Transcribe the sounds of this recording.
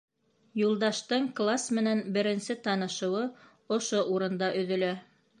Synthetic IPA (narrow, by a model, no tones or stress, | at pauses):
julˠd̪ɑʃt̪ɤɴklˠasmɘ̆nænbɘ̆ɾɘ̆nsɘt̪ɑnɤ̆ʃɤ̆wɤ | ŏʃoʔuɾɤ̆nd̪ɑʔɵ̆ðɵ̆læ